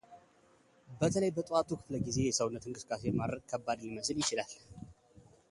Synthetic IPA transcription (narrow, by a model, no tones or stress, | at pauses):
bət̪ʰələjbət̪ʼat̪ʰukʰɨ̥fləɡize̞jɛsəwunːət̪ɨŋkʼɨsɨ̥kʼase̞jmad̪ɾəɡkʰəbːad̪liməs̬ɨljɪt͡ʃɪlal